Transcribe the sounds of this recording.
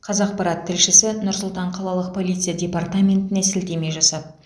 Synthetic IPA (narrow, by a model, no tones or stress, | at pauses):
qʰɑzɑq̚pɑɾɑt̪ʰːɪlʃɪsɪnʊɾsʊlˠt̪ɑɴqʰɑlˠɑlˠəq̚pʰo̞lˠit̪sɨjadʲe̞part̪amʲe̞nt̪ɪnesɪlt̪e̞me̞jʒɑsɑp̚